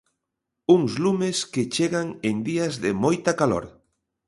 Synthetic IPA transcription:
uŋzlumesket͡ʃeɣaŋend̪iazðemojt̪akalo̰ɾ

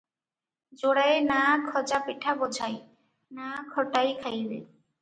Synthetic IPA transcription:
d͡ʑoɽajenakʰɔd͡ʑapeʈʰabod͡ʑʱaj | nakʰɔʈajkʰajbḛ

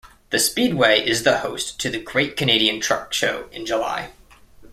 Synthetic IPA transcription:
ðɨspid̚weɪʔɪzðəhoʊstʰɨðɨɡɹeɪt̚kʰɨneɪɾiɨ̃ntʰɹ̥ʌ̰kʃoʊɨ̰̃nd͡ʒəla̰ɪ

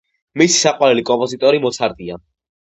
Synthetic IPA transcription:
misi̥saqʼwaɾɛlikʼɔmpʼɔzit̪ʼɔɾimɔt̪sʰaɾd̪ʼia

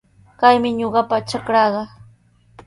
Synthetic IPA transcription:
kajmɪɲoɢɑpat͡ʃakɾɑːɢɑ

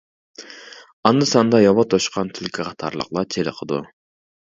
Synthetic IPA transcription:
ɑnd̪ɨsɑnd̪ɑjɑwɑt̪ʰoʃqʰɑnt̪ʰylkʲʰiqʰɑt̪ʰɑ̰ɾlˠə̰qlˠɑt͡ʃʰelɪqʰəd̪ṵ

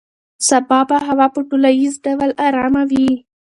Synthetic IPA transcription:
sabɑbaɦawɑpəʈulajizɖawalaɾɑmawi

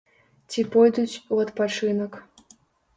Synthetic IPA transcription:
tʲipojd̪ut͡sʲuɐt̪pat͡ʂɨnək

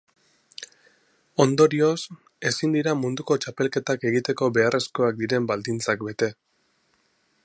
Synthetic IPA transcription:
o̞nd̪o̞ɾio̞s | e̞sind̪iɾamund̪uko̞t͡ʃape̞lke̞t̪ake̞ɣ̞it̪e̞ko̞be̞are̞sko̞ak̚d̪iɾe̞mbald̪int͡sakbe̞t̪e̞

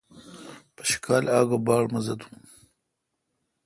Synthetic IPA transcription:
pə̥ʃi̥kaːlaːɡabɑːɽmɐzɐd̪ũ̥ː

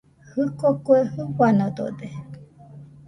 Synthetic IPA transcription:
hɨkokwehɨɸanod̪o̰d̪e

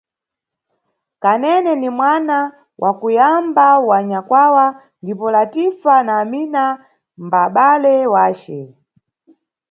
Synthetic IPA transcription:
kanɛnɛnimwana | wʔakujambawaɲakwawa | ndipɔlatifanaːmina | mbaɓalɛwaːt͡ʃɛ

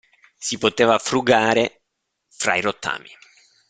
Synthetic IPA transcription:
sipot̪eːvafɾuɡaːɾe | fɾa̰iɾot̪ːa̰ːmi

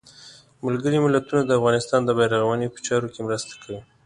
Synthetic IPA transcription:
malɡəɾimɪlat̪unad̪əafɣɑnɪst̪ɑnd̪əbɑjɾaɣawanepə̥t͡ʃɑɾokemɾəst̪ḁkʰawi

